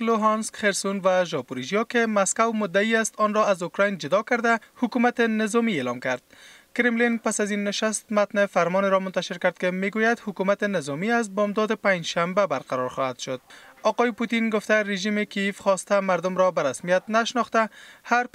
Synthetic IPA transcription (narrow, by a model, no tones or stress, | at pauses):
loɦɑnskxeɾsunvaʒɒpuɾiʒijɔkɪmaskawmʊd̪ːaiast̪ɔnɾɔazʊkɾɔjnd͡ʒʊd̪ɒkaɾd̪ahʊkumat̪ɪnɪzɒmielɒmkaɾd̪̥̚ | kɪɾɪmlinpasazinːɪʃast̪mat̪nɪfaɾmɔneɾɔmʊnt̪aʃɪɾkaɾd̪̚kɪmeɡojad̪hʊkumat̪ɪnɪzɔmiazbɒmd̪ɔd̪ɪpãɲd͡ʒʃambabaɾqaɾɔɾxɔhad̪ʃʊd̪̥̚ɒqɔjɪput̪inɡʊft̪aɾeʒimɪkijefxɔst̪amaɾd̪ʊmɾɔbaɾasmijat̪naʃnɔxt̪ahaɾ